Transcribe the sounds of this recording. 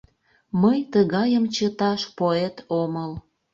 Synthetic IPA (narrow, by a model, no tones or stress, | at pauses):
məjt̪əɣɑjəmt͡ɕət̪ɑʃpoet̪oməl